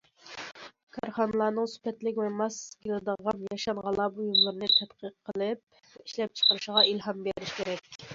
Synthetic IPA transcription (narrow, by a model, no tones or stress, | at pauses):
kʰɑɾχɑnɨlˠɑːnɨŋsy̥pʰɛt̪lɪkʲvɛmɑskʲilˠɨd̪əʁɑnjɑʃɑnʁɑlˠɑbujumlˠɨɾnɨt̪ʰɛt̪qʰəqʰːəlˠɨp̚ | ɛiʃlɛp̚t͡ʃʰə̥qəɾɨʃəʁɑilhɑmbeɾɪʃkʲʰeɾɛkʲ